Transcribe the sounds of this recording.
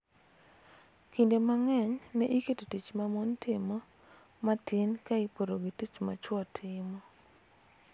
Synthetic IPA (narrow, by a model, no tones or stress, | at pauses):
kindemaŋɛɲnɛʔiketotit͡ʃmamontɪmɔ | matɪnkaipoɾoɡitit͡ʃma̰t͡ʃwɔtʰɪmɔ